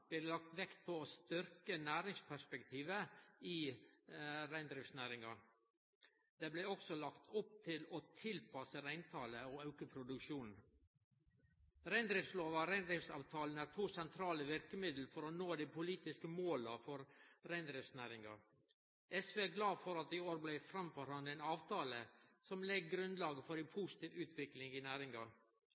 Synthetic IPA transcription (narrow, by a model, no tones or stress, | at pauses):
b̥̪ɛlɑk̚t̪ʋɛkt̪̚pʰɔst̪ʏɾkənæːɾɪŋspʰæʂpɛkt̪ʰiːʋəi | ɾæɪnd̪ɾɪfsnæːɾɪŋɑ | d̪̥eːblɛɔksɔlɑkt̪ʰʊp̚t̪ʰɪlɔt̪ʰɪlpʰɑsəɾæɪnt̪ʰɑːləɔɑʉkəpʰɾʊd̪ʉkʃuːnn̩ | ɾæɪnd̪ɾɪfsloːʋɑɾæɪnd̪ɾɪfsɑ̰ːʋt̪ʰɑːlnæːɾt̪ʰuːsɛnt̪ʰɾɑːləʋɪɾkəmɪd̪l̩fɔɾɔnoːd̪ipʰʊliːt̪ɪskəmoːlɑfɔɾɾæɪnd̪ɾɪfsnæːɾɪŋɑ̰ | ɛsʋeːæɡlɑːfɔɾɑt̪ɪoːɾblæɪfɾɑmfɔɾhɑnd̪enɑːʋt̪ʰɑːləsɔmlɛɡɡɾʉnd̪lɑːɡəfɔɾɛpʰuːsɪ̥t̪ʰiːʋʉːt̪ʰʋɪklɪŋɪnæːɾɪŋɑ